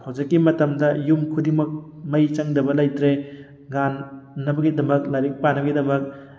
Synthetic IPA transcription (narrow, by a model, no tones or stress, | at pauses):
hawd͡ʒɐkːimɐtɐmdɐjumkʰudimɐk̚mɐjt͡ʃɐŋdɐbɐlɐjtɾe | ɡanːɐbɐɡidɐmɐk̚laɾik̚panɐbɐɡidɐmɐk̚